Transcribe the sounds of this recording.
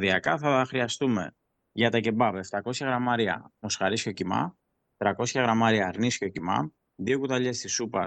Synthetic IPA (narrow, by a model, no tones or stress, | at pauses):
ðiɐkɐθɐxɾiɐst̪ume̞ | ʝɐt̪ɐce̞bɐveft̪ɐko̞sçɐɣɾɐmɐɾiɐ̰mo̞sxɐɾisco̞cimɐ̰ | t̪ɾɐko̞sçɐɣɾɐmɐɾiɐɾnisco̞cimɐ̰ | ðiokut̪ɐʎe̞st̪isupɐ